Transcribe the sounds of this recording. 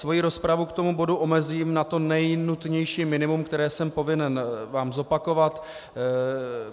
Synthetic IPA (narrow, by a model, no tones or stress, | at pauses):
svo̞jiɾo̞spɾavukt̪o̞mubo̞duʔo̞mɛziːmnat̪o̞nɛjnut̪ɲɛjʃiːmɪnɪmumkt̪ɛɾɛːsɛmpo̞vɪnɛnvaːmzo̞pako̞vat̪